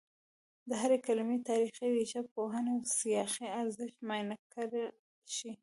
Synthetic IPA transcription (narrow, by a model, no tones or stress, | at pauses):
d̪əɦaɾekalmet̪ɑɾixeweʃapoɦanewsijɑxiaɾzɪʃt̪mɑjnakʰaɾ | ʃi